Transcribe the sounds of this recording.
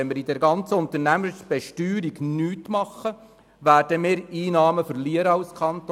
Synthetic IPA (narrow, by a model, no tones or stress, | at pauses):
ɛnməɾid̪ɛɾɡɑnt͡səʊnt̪əɾnæməɾsb̥ɛʃtyːɾiɡnyːtmɑχːə | ʋæːɾd̥əmɪːɾiːnɑːməfəɾliəɾəɑlskʰɑnt̪